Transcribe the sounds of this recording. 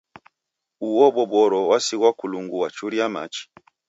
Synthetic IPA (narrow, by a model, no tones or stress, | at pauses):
uwɔbɔbɔɾɔwasiɣwakuluŋɡuwat͡ʃuɾiama̰t͡ʃi̥